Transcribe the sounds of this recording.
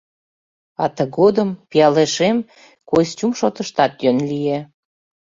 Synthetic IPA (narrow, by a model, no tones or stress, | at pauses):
ɑt̪əɣod̪əmpijɑleʃem | kojst͡ɕumʃot̪əʃt̪ɑt̪jønlije